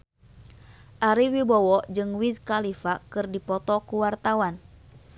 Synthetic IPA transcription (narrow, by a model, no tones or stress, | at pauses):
ʔaɾiwibɔwɔd͡ʒɨŋwiskalifakɨrdipɔt̪ɔkuwart̪awan